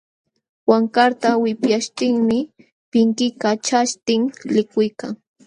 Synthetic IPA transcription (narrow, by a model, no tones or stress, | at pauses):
waŋkaɾt̪awɪpjaʃt̪ɪŋmɪ | pɪŋkɪkat͡ʃaʃt̪ɪŋlɪkʊjkaŋ